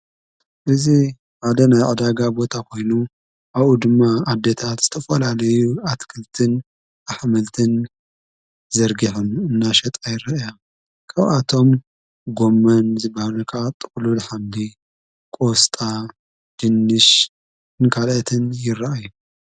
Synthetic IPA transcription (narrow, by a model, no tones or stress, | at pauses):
ʔɨzi | ħad̪ɐnajʕad̪aɡabo̞t̪ʰakʰo̞jnu | ʔaβud̪ɨmːaad̪ːet̪ʰat̪z̥ɨt̪ʰɐfɐlalɐjuat̪kʰɨlt̪ʰɨn | aħmɐlt̪ʰɨn | zɐɾɡiħunɨnːaʃɐt̪ʼajɪɾaʔja | kʰaβat̪ʰo̞m | ɡo̞mːɐnzɨbahalɐkʰat̪ʼɨkʼlulħamli | kʼost̪ʼa | d̪̥ɨnːɨʃ | ɨnkʰalɐt̪ʰɨnjɪrːaʔaju